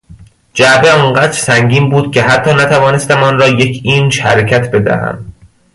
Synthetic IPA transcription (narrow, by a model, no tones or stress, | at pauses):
d͡ʒæbeɒŋɢæːd̪ɾsæŋɟiːmbuːd̪̥̚cʲʰe̞ɦæt̪ʰːɒːnæt̪ʰævɒːne̞st̪æmɒnɾɒːje̞cʰiːnʃhæɾecʰæt̪ʰbe̞d̪æ̰hæ̰m